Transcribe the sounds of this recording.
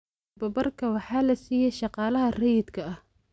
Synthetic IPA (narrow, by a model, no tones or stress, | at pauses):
bɐbɐrkʰɐwɑħɑːlɐsiːjɛʃɑqɑːlɐɦɐrɐjɪd̪kʰɐɐh